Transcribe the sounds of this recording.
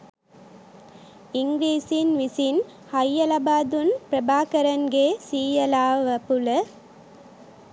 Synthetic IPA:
ɪŋɡɾiːsinʋɪsin | hɐjːɐlɐbaːd̪unpɾɐbaːkɐɾɐnɡeːsiːjɐlaːʋɐpulɐ

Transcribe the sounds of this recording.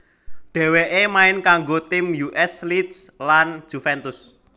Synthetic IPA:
ɖ̥ɛ̤weʔemaɪnkaŋɡot̪ɪmjuʔɛslit̪slan̥ʒ̥ufɛnt̪ʊs

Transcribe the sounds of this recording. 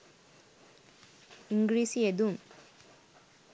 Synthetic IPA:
iŋɡɾiːsied̪um

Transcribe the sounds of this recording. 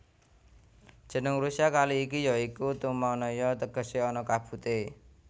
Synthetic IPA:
d̥ʒ̥ə̤nəŋɾusiakaliːkijɔikut̪umanɔjɔt̪əɡ̥ə̤seɔnɔkab̥ṳt̪e

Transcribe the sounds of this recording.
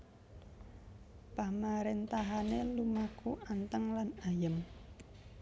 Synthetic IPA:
pamaɾent̪aɦanelumakuant̪əŋlanajəm

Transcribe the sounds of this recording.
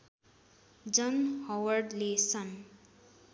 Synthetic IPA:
d͡zʌnhʌwʌrɖlesʌn

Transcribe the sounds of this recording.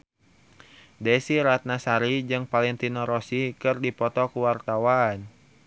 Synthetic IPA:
dɛsiɾat̪̚nasaɾid͡ʒɨŋpalɛŋt̪inɔɾɔsikɨrdipɔt̪ɔkuwart̪awan

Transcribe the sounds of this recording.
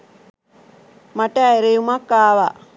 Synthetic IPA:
maʈæːeɾejumakːaːʋa

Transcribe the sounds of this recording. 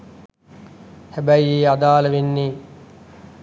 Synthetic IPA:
hæbæieːad̪aːləʋenːiː

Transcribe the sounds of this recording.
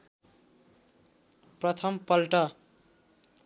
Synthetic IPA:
prʌt̪ʰʌmpʌlʈʌ

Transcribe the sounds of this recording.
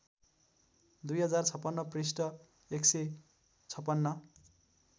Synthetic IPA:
d̪ujɦʌd͡zart͡sʰʌpːʌnːʌprisʈʌ | ekse | t͡sʰʌpːʌnːʌ

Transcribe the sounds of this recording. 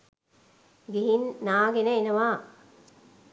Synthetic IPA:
ɡiɦinːaːɡenəenɐʋaː

